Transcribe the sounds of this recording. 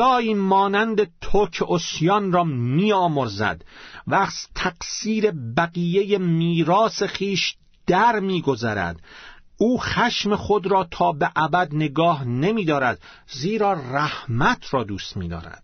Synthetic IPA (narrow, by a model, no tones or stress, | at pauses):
ɒːiːmɒːnænd̪e̞t̪ʰokʰeʔosjɒnrɒːmiːɒːmoɾzæ̰d̪væst̪ʰæqsiːɾe̞bæɣiːjejemiːɾɒːsexiːʃ | d̪̥æɾmiːɡo̞zæɾæ̰d̪ | uːxæʃme̞xod̪ɾɒːt̪ʰɒːbeʔæbæd̪neɡɒːhnemiːd̪ɒːɾæd̪̥ | ziːɾɒːræhmæt̪ʰɾɒːd̪uːst̪mḭːd̪ɒ̰ːɾæ̰d̪̥